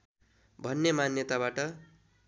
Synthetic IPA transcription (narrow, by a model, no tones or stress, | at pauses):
bʱʌnːemanjʌt̪abaʈʌ